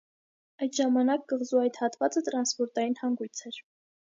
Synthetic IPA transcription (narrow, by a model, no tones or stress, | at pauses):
ɑjt̪ʒɑmɑnɑk̚ɡəʁzuɑjt̪hɑt̪vɑt͡sət̪ɾɑnspɔɾt̪ɑjinhɑŋɡujt͡sʰɛɾ